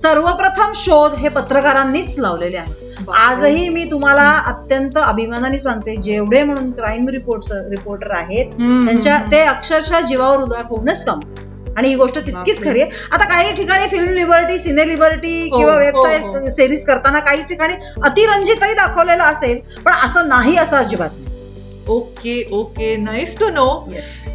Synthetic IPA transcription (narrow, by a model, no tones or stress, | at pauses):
səɾʋəpɾət̪ʰəmɕod̪ɦepət̪ɾəkaɾanːiːt͡slaʋlelja | ad͡zɦiːmiːt̪um̤alaət̪jənt̪əəbʱimananiːsaŋɡ̚t̪ed͡ʑeʋɽ̤em̤əɽ̃uːnkɾaimɾipoɾʈsəɾipoɾʈəɾaɦet̪̚t̪jaɲt͡ɕjat̪eəkʂəɾɕad͡ʑiʋaʋəɾud̪ajakʰoʋnet͡skamt̪ | aɽ̃iɦiːɡoʂʈət̪it̪kiːt͡skʰəɾie | at̪akaɦiːʈʰikaɽ̃ifilmlibəɾʈiːsinelibəɾʈiːkĩw̃ʋaʋebsajt̪siɾiːskəɾt̪anakaɦiːʈʰikaɽ̃iː | ət̪iːɾəɲd͡ʑiːt̪ːəɾiːd̪akʰəʋlelaəsel | pəɳəsənaɦiːəsat͡sd͡ʑiʋat̪̚na | okeokenaisʈunojɛs